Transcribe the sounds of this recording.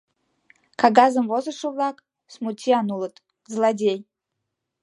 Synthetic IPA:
kʰaɡazɨmvozɨʂɨvlˠakʼ | smutʲʰianulˠɨt̪ʼ | zlˠadʲej

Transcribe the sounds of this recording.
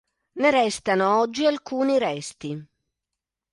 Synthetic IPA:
neɾɛst̪anoɔd͡ʒːialkuːniɾɛst̪i

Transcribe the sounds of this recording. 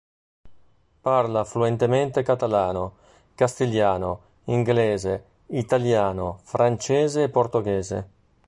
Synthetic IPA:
parlafluɛnt̪ement̪ekat̪alaːno | kast̪iljaːno | iŋɡleːze | it̪aljaːnofɾant͡ʃɛːzeːpːort̪oɡɛːzḛ

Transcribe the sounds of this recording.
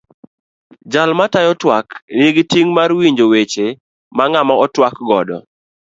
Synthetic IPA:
d͡ʒalmatajɔtwakniɡitiŋmarwiɲd͡ʒowet͡ʃe | maŋamaɔtwakɡɔdɔ̰

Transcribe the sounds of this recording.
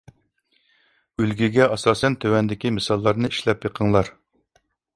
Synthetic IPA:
ylɡʲiɡʲɛʔɑsɑːsɛnt̪ʰøwɛnd̪ɪkʲimɨsɑlˠːɑɾnɨiʃlɛpjəqʰəŋlˠɑɾ

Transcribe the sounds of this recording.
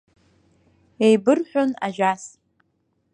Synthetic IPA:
ejbɨrħʷᶣona̰ʒʷᶣas

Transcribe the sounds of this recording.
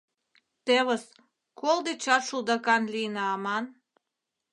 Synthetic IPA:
t̪eβə̆s | kold̪et͡ɕɑʃuld̪ɑkɑnlijnɑɑmɑn

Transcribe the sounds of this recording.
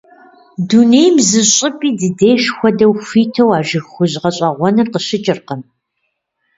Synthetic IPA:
dunejmzɨɕʼɪpʼiːdɨdeːʃxʷɔdɐwfiːtʰɐwaːʒɪxʷʊʑʁɐɕʼɐʁʷɔnɨrqəɕɪt͡ʃʼɪrqəm

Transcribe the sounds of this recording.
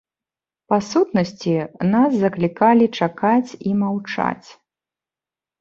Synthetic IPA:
pasut̪nɐsʲt͡sʲinaszɐklʲikalʲit͡ʂakat͡sʲimawt͡ʂa̰t͡sʲ

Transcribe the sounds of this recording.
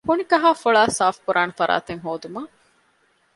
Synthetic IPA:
hunikɐɦaːfoɭaːsaːfkuɾʔaːnɐfɐɾa̰ːt̪eŋɦoːd̪umɐ

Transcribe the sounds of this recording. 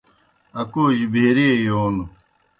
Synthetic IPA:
ɐkuːʑbʱeɾijoːl

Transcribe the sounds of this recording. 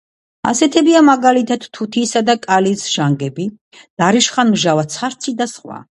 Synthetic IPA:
a̰sɛt̪ʰɛbiamaɡalit̪ʰat̪t̪ʰːut̪ʰiːsad̪akʼalisʒ̥aŋɡɛbi | d̪̥aɾiʃχanmʒavat̪sʰχaɾt̪sʰid̪asχwa̰

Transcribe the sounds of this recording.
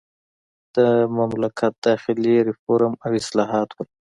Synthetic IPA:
d̪̥əmamlakʰɑt̪̚d̪̥ɑxɪliɾɪfoɾamawɪslɑːɦɑːt̪wəl

